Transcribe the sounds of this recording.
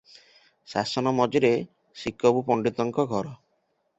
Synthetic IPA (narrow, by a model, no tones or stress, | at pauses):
sa̰sɔnɔmɔd͡ʒiɾe | sikɔbupɔɳɖit̪ɔŋkɔɡʱɔɾɔ